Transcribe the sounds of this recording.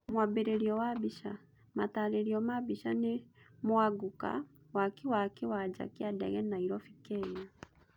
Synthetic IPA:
mwabeɾeɾiɔwabiʃa | mataleɾiɔmabiʃanemwaɡuka̰ | wakiwakiwad͡ʒa̰kiadɛ̰ɣɛnaiɾɔfikɛna

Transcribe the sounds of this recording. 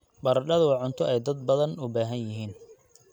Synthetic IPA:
bɐɾɐɖɐðʊwɑʕʊnt̪ʰɔʔɛjd̪ɐd̪̚bɐðɐnʊbaːɦɐnjɪɦiːn

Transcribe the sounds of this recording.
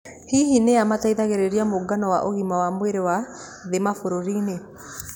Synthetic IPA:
hiɦineamataiðaɣeɾeɾiamoɡanɔwaʔoɣimawamweɾewa | ðemafoɾoɾiːne

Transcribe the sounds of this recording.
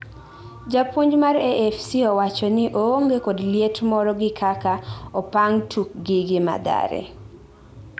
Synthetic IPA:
d͡ʒapwoɲd͡ʒmaɾɛʔɛfsiɔwat͡ʃɔnɪʔooŋɡekodljetmɔɾɔɡɪkʰakaɔpaŋtʰuk̚ɡɪɡɪma̰d̪a̰ɾḛ

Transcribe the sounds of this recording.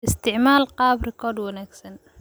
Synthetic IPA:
ʔɪst̪ʰɪʕmaːlqɑːbrɛkʰɔːrd̪wɐnaːɡsɐn

